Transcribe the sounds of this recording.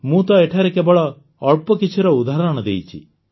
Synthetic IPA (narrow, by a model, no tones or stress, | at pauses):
mũːt̪ɔeʈʰaɾɛkebɔɭɔː | ɭpɔkit͡ʃʰuɾɔud̪aɦɾɔɽ̃ɔd̪ḛjt͡ʃʰḭ